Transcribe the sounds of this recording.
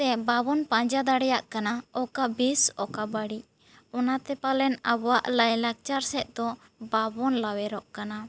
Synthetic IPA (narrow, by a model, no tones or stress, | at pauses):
t̪ɛbabɔnpãɲd͡ʒad̪aɽɛjaʔkanaɔkabisɔkabaɽi | ɔnat̪ɛpalɛnabɔwaʔlajlak̚t͡ʃaɾsɛʔ̪̚d̪ɔ | babɔnlawɛɾɔʔkana